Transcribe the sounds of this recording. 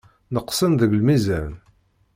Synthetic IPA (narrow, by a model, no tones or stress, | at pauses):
nəqːsənðəʝlmizæɾn